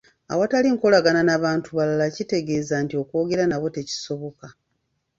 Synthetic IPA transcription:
a̰wataliŋko̞laɡananaβaːntuβalalacite̞ɡe̞ːzantio̞ko̞ːɡe̞ɾanawo̞te̞ci̥so̞βo̞ka

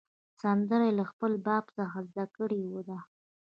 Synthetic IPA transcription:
sand̪əɾajlaxpəlbɑbsəxazd̪akəɽiwəd̪a

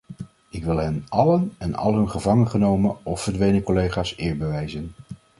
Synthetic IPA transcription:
ɪkʋɪlˠɦɛnɑlənɛnɑ̰lˠɦɵnχəvɑŋənχənowmənɔfəɹdʋejnəkolejχaːsɪːɹbəʋɛjzən

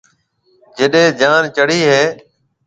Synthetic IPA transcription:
d͡ʒeɗẽːd͡ʒaːnt͡ʃəɽiːɦeː

